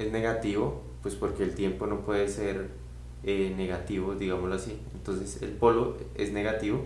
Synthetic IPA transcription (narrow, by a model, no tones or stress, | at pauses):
e̞zne̞ɣat̪iβo̞ | pwe̞spo̞ɾke̞ːlt̪je̞mpo̞no̞pwe̞ðe̞se̞ɾ | ene̞ɣat̪iβoðiɣamoloasient̪o̞nse̞sḛlpo̞loe̞̰zne̞ɣat̪iβo̞